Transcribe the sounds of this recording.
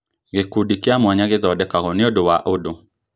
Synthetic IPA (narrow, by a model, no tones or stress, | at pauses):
ɣekudikeamwaɲaɣeðɔdɛkaɣɔnɪodowaʔodo